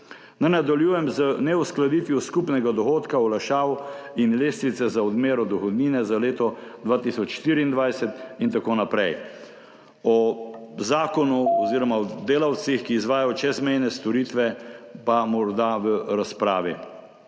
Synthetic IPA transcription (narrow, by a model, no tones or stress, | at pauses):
najnad̪aljuːjɛmzənɛusklad̪iːt̪ʋjuskupnɛɡad̪ɔxoːt̪kaɔlaʃaːwinleːst̪ʋit̪sɛzaɔd̪meːɾɔd̪ɔxɔd̪niːnɛzaleːt̪ɔd̪ʋaːt̪isɔt͡ʃʃt̪iɾiiːnd̪ʋajsɛt̪int̪akoːnapɾɛj | ɔzaːkɔnuɔziːɾɔmaɔd̪eːlawt̪sixkiːzʋaːjajɔt͡ʃɛzmɛjnɛst̪ɔɾiːt̪ʋɛpamɔɾd̪aʋəɾaspɾaːʋi